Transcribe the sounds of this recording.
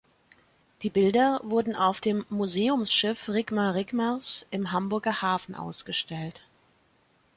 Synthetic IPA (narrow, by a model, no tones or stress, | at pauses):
d̥iːbɪldɐvʊɐdn̩ʔaʊfd̥eːmːuzeːʊmsʃɪfʁɪɡmaʁɪɡmasʔɪmɦambʊɐɡɐhaːfn̩ʔa̰ʊsɡ̥əʃtɛlt